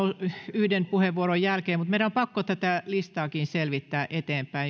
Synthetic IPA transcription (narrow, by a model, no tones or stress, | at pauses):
ouyhdenpuheʋʋuoɾojjælkeːmut̪meilæompɑkːot̪æt̪ælist̪ɑːkiːnselʋit̪ːæːʔet̪eːmpæi